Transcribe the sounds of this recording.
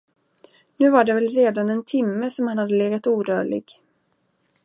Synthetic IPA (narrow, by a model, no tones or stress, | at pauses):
nʉ̟ːvaɖɛvɛlɾeːd̪anɛnt̪ʰɪmːəsɔmhanhad̪ːəleːɡat̪uːd̪œːɭɪ̰ɡ